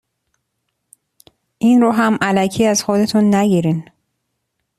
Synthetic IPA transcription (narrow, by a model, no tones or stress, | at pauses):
ʔinɾoːɦæmʔælæcʰiːæz̥xod̪e̞t̪ʰunːæɟiːɾin